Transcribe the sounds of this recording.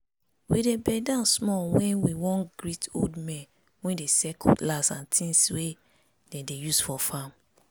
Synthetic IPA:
widebɛdãnsmɔwɛ̃nwiwɔ̃nɡɹito̰ldmɛ̃n | wɛ̃ndesɛkɔ̰tlasãntʰĩnswe | dɛ̃dejusfɔfam

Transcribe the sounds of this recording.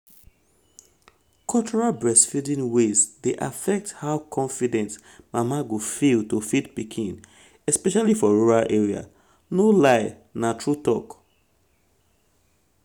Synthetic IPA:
kʰɔlt͡ʃɔɹalbɹɛsfildĩnwezdeʔafɛk̚thaʊkʰɔ̃nfidɛ̃nt | mamaɡofiltofitpikʰĩn | ɛspɛʃalifɔɹuɹalʔeɹia̰ | nolaɪ | natʰɹutɔk

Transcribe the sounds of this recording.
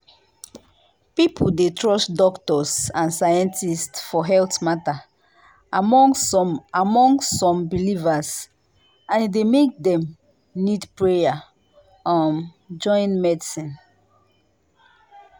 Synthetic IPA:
pipʰudetʰɹɔsdɔktɔsãnsajɛ̃ntistfɔɦɛltmata | mɔ | amɔ̃ŋsɔ̃mbilivas | ãndemek̚dɛ̃m | nidpɹeja | ãn | d͡ʒɔ̃ɪ̃nmɛdisĩn

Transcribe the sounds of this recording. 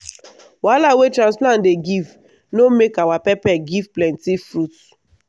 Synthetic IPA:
walawetɾãnsplãndeɡiv | nomekawapɛpɛɡivplɛ̃ntifɾut

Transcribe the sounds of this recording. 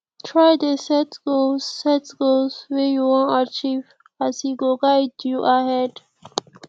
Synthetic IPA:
tʰɹajdəsɛtɡoːɛtɡ̥olswɛjuwɔ̃nat͡ʃiv | asiɡoɡajdjuʔahɛd

